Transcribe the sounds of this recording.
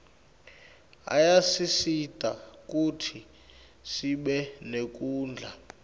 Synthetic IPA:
a̰jasisitʼak̬ʼutʰi | siɓɛnek̬ʼuːnd͡ɮʱa

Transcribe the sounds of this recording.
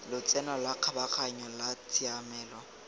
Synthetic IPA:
lʊt͡sʼɛnɔlwaq͡χʰabaχʰaɲɔlat͡sʰʼiamɛːlɔ

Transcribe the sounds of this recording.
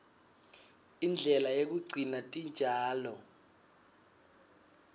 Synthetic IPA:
ind͡ɮʱɛlajek̬uɡ͡ǀʱinatʼind͡ʒʱaːlɔ

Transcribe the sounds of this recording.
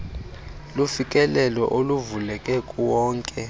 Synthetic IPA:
lufikʼɛlɛlɔ̰ʔoluvulɛkʼɛkʼuwɔːŋkʼɛ

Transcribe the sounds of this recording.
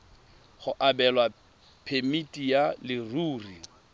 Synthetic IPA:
χʊʔabɛlwa | pʰemitʼijalɪruːri

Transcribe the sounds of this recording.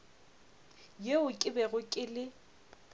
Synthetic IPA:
jeʊkʼɪbɛɣʊkʼɪlɪ

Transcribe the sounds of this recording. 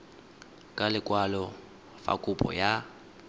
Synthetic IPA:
kʼalɪkʼwalɔ | fa̰kʼupʼɔ̰ja

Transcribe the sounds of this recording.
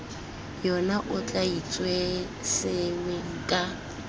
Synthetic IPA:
jɔnaʔʊt͡ɬʼait͡sʼwe | sɪweŋ̩kʼa

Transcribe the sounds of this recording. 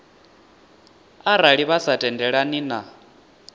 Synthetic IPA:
aɾaɺiβasatʼɛndɛɺanina

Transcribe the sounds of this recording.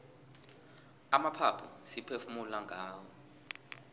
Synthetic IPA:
amapʰapʰusipʰefumulaŋʱaːwɔ

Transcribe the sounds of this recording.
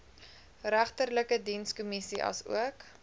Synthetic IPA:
ræχtərləkədinskɔmisiʔɐ̰sṵək

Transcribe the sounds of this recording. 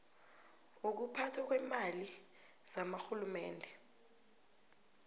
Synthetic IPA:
uk̬upʰatʰwak̬wɛmali | z̥amaxulumɛːndʱɛ

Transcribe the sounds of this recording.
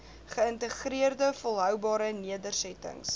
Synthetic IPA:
χəəntəχriərdəfolˠɦœwbɑːɾəniədərsɛtə̰ŋs

